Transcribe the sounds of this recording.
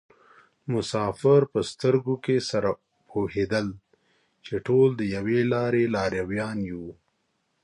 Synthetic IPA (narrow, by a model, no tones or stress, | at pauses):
mʊsɑfɪɾpəst̪əɾɡokesaɾa | pʰohed̪əl | t͡ʃeʈold̪əjawelɑɾelɑɾjawjɑnjeu